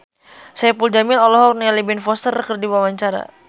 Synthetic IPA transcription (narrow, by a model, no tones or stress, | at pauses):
sajapuld͡ʒamɪlɔlɔɦɔk̚nialibɛnfɔst̪ərkərdibwawaɲt͡ʃaɾa̰